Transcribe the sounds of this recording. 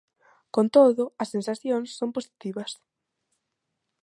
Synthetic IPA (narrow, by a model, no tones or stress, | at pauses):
kõnt̪oðʊɐsːensaθjoŋsːomposi̥t̪iβɐs